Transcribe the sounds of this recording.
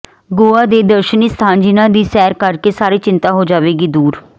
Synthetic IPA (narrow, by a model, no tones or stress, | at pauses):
ɡoːaːd̪eːd̪əɾʃəniːst̪ʰãːnd͡ʒinãːd̪iːsɛːɾkəɾkeːsaːɾiːt͡ʃɪnt̪aːɦoːd͡ʒaːʋeːɡiːd̪uːɾ